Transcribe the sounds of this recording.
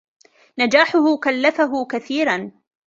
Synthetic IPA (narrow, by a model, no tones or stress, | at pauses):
nad͡ʒaːħʊhʊkalːafaɦʊkaθiːɾan